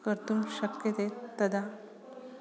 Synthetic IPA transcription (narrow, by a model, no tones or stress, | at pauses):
kəɾt̪umɕəkjət̪et̪ːəd̪ʱa